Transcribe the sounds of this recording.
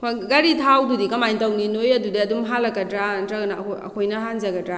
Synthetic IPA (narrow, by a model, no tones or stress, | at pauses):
kʰoɡaɾitʰawdudikɐmajntawninojɐdudeɐdumɦalɐkːɐdɾatɾɐɡɐnɐkʰoɐ̰kʰojnɐɦanzɐɡɐdɾa